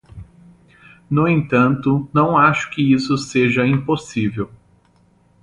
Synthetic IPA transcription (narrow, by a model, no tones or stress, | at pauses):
nʊẽnt̪ɐ̃nt̪ʊnɐ̃w̃aʃʊ̥kɪisʊseʒɐĩposivew